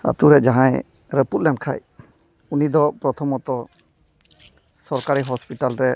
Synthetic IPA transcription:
a̰t̪uɾɛd͡ʒaɦãj | ɾəput̪̚lɛɳ̚kʰa̰j | unid̪ɔpɾɔt̪ʰɔmɔt̪ɔ | sɔɾkaɾiɦɔspiʈalɾɛ

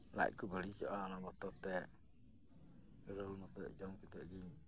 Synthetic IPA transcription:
la̰ʔ̚kubəɭit͡ʃɔʔaːnabɔʈɔt̪ɛ | ɾəlmɔt̪ɔʔd͡ʒɔmkit̪ɛʔɡiɲ

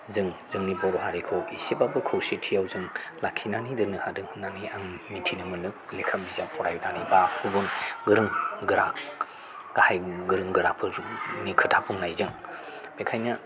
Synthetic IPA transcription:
zɯŋzɯŋnibɔɾɔɦaɾikʰowisibabɯkʰɯwsitʰijawzɯŋlakʰinanidɯnɯhadɯŋhnːaniaŋmintʰinɯmɯnɯk̚lekʰambizaŋpʰɔɾajunanibahubunɡɯɾɯŋɡɯɾak | ɡ̥ahajɡɯɾɯŋɡɯɾapʰɯnikʰɯtʰapʰuŋnajzɯŋ | bekʰajna

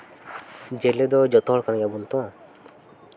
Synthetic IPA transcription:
d͡ʒeled̪ɔd͡ʒɔt̪ɔɦɔɭkanajabunt̪ɔa

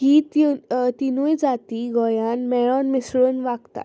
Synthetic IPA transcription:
kiːt̪t̪inujd͡zat̪iːɡɔjanmɛɭɔnmisɭonʋaɡt̪a̰

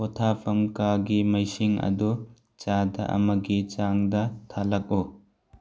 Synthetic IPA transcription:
ɔtʰapʰɐmkaɡimɐjsiŋɐ̰du | t͡ʃadɐ̰ʔɐ̰mɐɡit͡ʃaŋdɐt̪ʰalɐk̚u

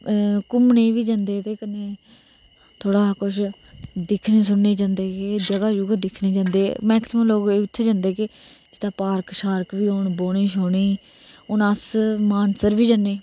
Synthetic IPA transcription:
kʊmnẽːʋiːd͡ʒãːnd̪eːt̪eːkəneː | t̪ʰoːɽaːkʊt͡ʃʰ | d̪ɪkʰneːs̬ʊɳːeːd͡ʒãːnd̪eːked͡ʒəɡaːd͡ʒʊɡd̪ɪkʰneːd͡ʒãːnd̪eːmɛːksɪməmloːkeːɪt̪ʰːeːd͡ʒãːnd̪eːke | d͡ʒɪt̪ːaːpaːɾkʃaːɾkʋiːoːɳboːneːʃoːɳeː | ʊnasmaːnsəɾʋiːd͡ʒaːnːeː

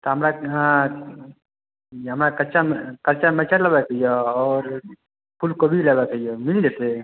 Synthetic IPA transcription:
t̪ɔɦəmɾaɦã | ɦəmɾakət͡ʃamkəɾt͡ʃamɛt͡ʃʰalabɛkəjɔɔːɾ | pʰulkəbʱilabɛkəjɔmild͡ʒet̪e

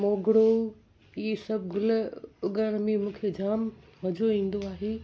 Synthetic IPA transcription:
moːɡɽo | iːsɐbʱɡʊlʊɠaːɽmimũːkʰed͡ʑaːmʋɐd͡ʑʱoĩːn̆d̪oaːɦeː

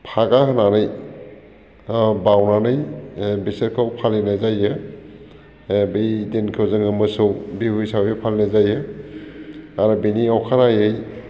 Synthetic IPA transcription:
pʰaɡaɦananɯj | bawnanɯjbiseɾkʰawpʰalinajzajɯ | bijdenkʰɯwzɯŋɯmɯsɯwbihujsawjepʰalinajzajɯ | aɾubiniɔkʰaɾajɯj

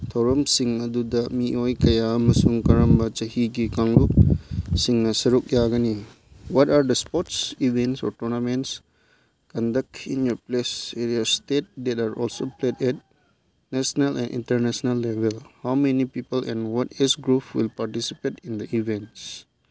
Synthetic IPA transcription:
t̪ʰɔwɾɐmsiŋɐdudɐmiʔojkɐjaɐmɐsuŋkɐɾɐmbɐt͡ʃɐhiɡikaŋluk̚siŋːɐsɐɾuk̚jaɡɐni | wɔtaɾd̪ɐspɔtsivẽntsɔ̰ɾtɔɾnamẽnts | kɔ̃ndɐk̚ĩnjɔpleseɾiastet̚d̪ɛtaɾʔɔ̰lsopledɛt | nɛsnalɛ̰̃nʔḭ̃ntəɾnɛsnɐlːebelhawmenipipəlɛ̰̃nwɔtɛsɡɾupwḭlpaɾtisipetĩnd̪əʔivẽnts

